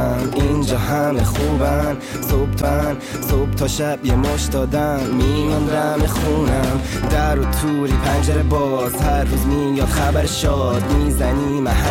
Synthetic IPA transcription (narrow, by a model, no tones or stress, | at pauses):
mind͡ʒɒːhæmexuːbæn | sob̚t̪ʰæn | sob̥̚t̪ʰɒːʃæbjemoʃd̪ɒːd̪æmːimɔnd̪æmexuːnæmd̪æɾot̪ʰuːɾiːpʰænd͡ʒæɾebɒː | zhæɾːuːzmijɒːd̪xæbæɾʃɒː | d̪miːzænimæh